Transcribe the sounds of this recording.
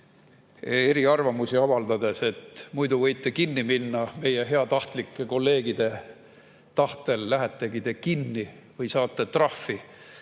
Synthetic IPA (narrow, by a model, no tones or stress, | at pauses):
e̞ɾiɑrvɑmusiɑvɑld̪ɑd̪e̞se̞t̪mujd̪uvɤ̞jt̪ˑːekinːiminːɑme̞je̞ɦe̞ɑt̪ɑht̪likːˑe̞ko̞lːe̞ːɡid̪̥e̞ | t̪ɑht̪e̞lːæɦæt̪ˑːe̞ɡid̪e̞kinːi | vɤjsɑːt̪ːˑe̞t̪rɑfi